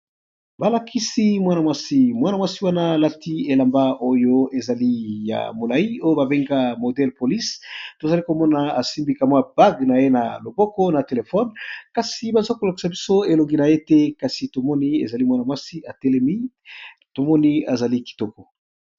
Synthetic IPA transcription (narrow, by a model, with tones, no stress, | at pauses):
ba˨la˨kʰi˦si˦mwa˦na˨mwa˦si˦mwa˦na˨mwa˦si˦wa˦naː˦˨la˦ti˦e˨la˨mba˦o˦jo˦e˨za˨li˦ja̰˨mo˨la˨ji˦o˦jo˦ba˨be˦ŋɡa˦mo˨dɛ˦lpo˨li˦sto˨za˨li˦ko˨mɔ˦na˨a˨si˦mbi˨ka˨mwa˦b̥a˦ɡna˨je˦na˨lo˨bɔ˦kɔ˦na˨te˨le˨fɔ˦nka˨si˨ba˨za˦ko˨la˨ki̥˨sa˨bi˦so˦e˨lo˨ŋɡi˦na˨je˦tɛ˦ka˨si˨to˨mɔ˦ni˦ḛ˨za˨li˦mwa˦na˨mwa˦si˦a˨te˦lɛ˦mi˦ | to˨mɔ˦ni˦a˨za˨li˦ki̥˨tɔ˨kɔ˨